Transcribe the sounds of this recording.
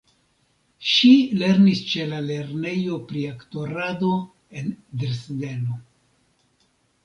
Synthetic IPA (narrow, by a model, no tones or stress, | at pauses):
ʃile̞ɾnist͡ʃe̞lale̞ɾne̞jo̞pɾiakto̞ɾado̞ | e̞ndeɾsde̞no